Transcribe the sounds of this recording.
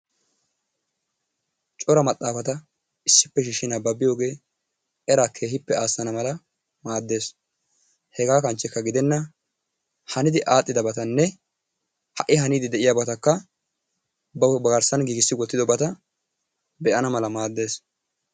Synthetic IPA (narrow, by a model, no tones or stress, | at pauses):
t͡ʃʼɔɾɐmɐt̪ʼːaːfɐt̪ɐ | ɪsːɪpːɛʃiːʃːɪnɐbɐbɪjo̞ːɡe̞ː | ʔɛɾaːkʰːe̞ːhɪpːɛaːsːɐnɐmɐlɐ | maːd̪ːe̞ːs | hɛɡaːkɐnt͡ʃːɛkːɐɡɪd̪ɛnːɐ | hɐnɪd̪ɪʔaːt̪ʼːɪd̪ɐbɐt̪ɐnːɛ | hɐʔɪɦɐniːd̪ɪd̪ɛʔɪjabɐt̪ɐkːɐ | bɐbɐɡɐɾsɐnɡiːɡɪsːɪɡɔt̪ːɪd̪ɔbɐt̪ɐ | bɛʔɐnɐmɐlɐmaːd̪ːe̞ːs